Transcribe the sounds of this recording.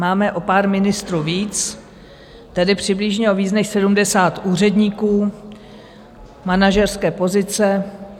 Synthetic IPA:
maːmɛʔo̞paːɾmɪnɪst̪ɾuːviːt͡s | t̪ɛdɪpr̝̥ɪblɪʒɲɛoviːt͡snɛʃsɛdumdɛsaːt̪ʔuːr̝ɛdɲiːkuː | manaʒɛrskɛːpo̞zɪt͡sɛ

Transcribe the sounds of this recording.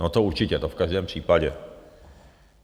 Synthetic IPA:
nɔt̪ɔut͡ʂit͡ɕɛlt̪ɔfkaʒd̪ɛmpʂipad͡ʑɛ̰

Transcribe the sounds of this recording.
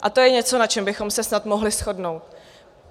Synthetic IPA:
ʔat̪o̞jɛɲɛt͡so̞nat͡ʃɛmbɪxo̞msɛsnat̪moɦlɪsxo̞dno̞wt̪

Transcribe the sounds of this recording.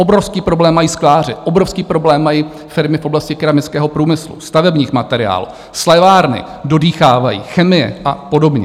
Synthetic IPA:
ʔo̞bɾofskiːpɾo̞blɛːmːajiːsklaːrɪʔo̞bɾofskiːpɾo̞blɛːmːajiː | fɪɾmɪfʔo̞blascɪkɪɾamɪt͡skɛːɦo̞pɾuːmɪslṵst̪avɛbɲiːxmat̪ɛɾɪ̰a̰ːlṵː | slɛvaːɾnɪ̰ | do̞diːxaːvajḭːxɛmɪjɛ̰ʔapo̞do̞bɲɛ̰

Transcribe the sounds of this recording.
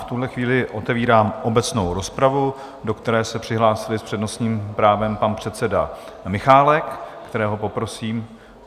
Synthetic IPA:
ft̪uɦlɛxviːlɪʔo̞t̪ɛviːɾaːmʔo̞bɛt͡sno̞wɾo̞spɾavu | do̞kt̪ɛɾɛːsɛpr̥ɪɦlaːsɪlɪspr̝̥ɛdno̞sɲiːmpɾaːvɛmpanpr̝̥ɛt̪t͡sɛda̰ | mɪxaːlɛkːt̪ɛɾɛːɦo̞po̞pɾo̞siːm

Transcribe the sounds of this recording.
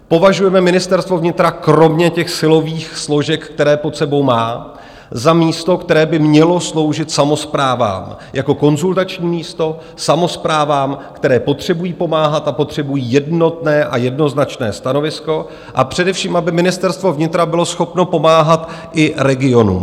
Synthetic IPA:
po̞vaʒujɛmɛmɪnɪst̪ɛɾst̪vo̞vɲɪt̪ɾakɾo̞mɲɛcɛxsɪlo̞viːxslo̞ʒɛkkt̪ɛɾɛːpo̞t̪sɛbo̞wmaː | zamiːst̪o̞kt̪ɛɾɛːbɪmɲɛlo̞slo̞wʒɪt̪samo̞spɾaːva̰ːmjako̞ko̞nzult̪at͡ʃɲiːmiːst̪o̞ | samo̞spɾaːvaːmkt̪ɛɾɛːpo̞t̪r̝̥ɛbujiːpo̞maːɦat̪apo̞t̪r̝̥ɛbujiːjɛdno̞t̪nɛːʔajɛdno̞znat͡ʃnɛ̰ːst̪ano̞vɪsko̞ | ʔa̰pr̝̥ɛdɛfʃiːmʔabɪmɪnɪst̪ɛɾst̪vo̞vɲɪt̪ɾabɪlo̞sxo̞pno̞po̞maːɦat̪ | ʔɪɾɛɡɪo̞nṵːm

